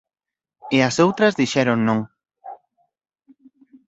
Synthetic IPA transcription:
ɪɐsowt̪ɾɐzðiʃɛɾoŋnõŋ

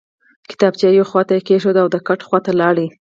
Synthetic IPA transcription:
kɪ̥t̪ɑbt͡ʃɑjoxwɑt̪aekeʃod̪aawd̪əkaʈxwat̪alɑɽi

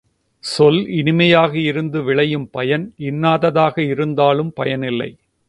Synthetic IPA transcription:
sɔlɪnɪmɐjaːɣɐɪɾɯnd̪ɯʋɪɭɐjɯmpɐjɐnɪnːaːðɐðaːɣɐɪɾɯnd̪aːlɯmpɐjɐnɪlːɐ̰ɪ

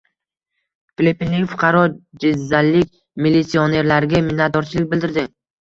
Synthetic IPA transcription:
flʲepinnɪŋfʊqʰɑɾɒd͡ʒɪzːalːɪkʲ | milːit̪sione̞ɾlaɾɪɡʲamɪnːat̪̚d̪ɒɾt͡ʃʰɪlɪk̚ʲbɪld̪ɪɾd̪ɪ

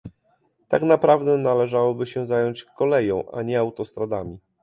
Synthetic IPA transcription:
t̪aknapɾavd̪ɛnalɛʐawɔbɘɕɛzajɔɲt͡ɕkɔlɛjɔ̃w̃ʔa̰ɲɛawt̪ɔst̪ɾad̪amʲi

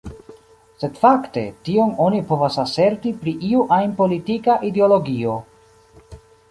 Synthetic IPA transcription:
se̞dfakte̞̰tio̞no̞nipo̞vasase̞ɾtipɾiʔiuʔajnpo̞litikaʔideolo̞ɡio̞

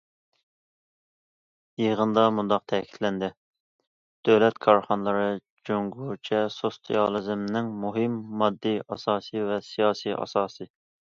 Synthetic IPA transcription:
jiʁənd̪ɑmund̪ɑq̚t̪ʰɛkʲʰi̥t̪ʰlɛnd̪ɪ | d̪̥øwlɛt̪kʰɑɾχɑnlˠɨɾɨ | d͡ʒoŋɡut͡ʃʰɛsost̪ʰiɑlˠɨzɪmnɪŋmuɦɨmːɑd̪ːɨjʔɑsɑːsɨvɛsijɑːsiʔɑ̰sɑːsɨ

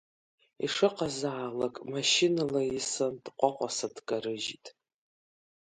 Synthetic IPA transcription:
ḭʂɨqazaːlakʼmaʃinalaisɨndqʷʼaqʷʼasadɡʼaɾɨʒitʼ

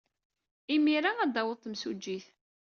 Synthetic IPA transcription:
imiɾaæd̪æwəðˤt̪ːmsud͡ʒːiθ

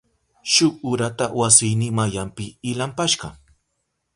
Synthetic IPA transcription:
ʃʊkʊɾat̪awasɪjnɪŋmajampɪːlampaʃɢɑ

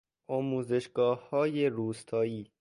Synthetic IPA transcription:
ʔɒːmuːze̞ʃɡ̥ɒːhːɒːjeɾuːst̪ʰɒːjiː

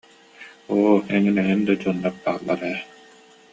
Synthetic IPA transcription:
oːɛŋinɛɦind̪ad͡ʒunːap̚baːlˠːa̰ɾɛː

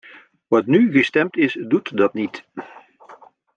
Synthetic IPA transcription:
ʋɑtnyɣəstɛmtɪsdutdɑtnit

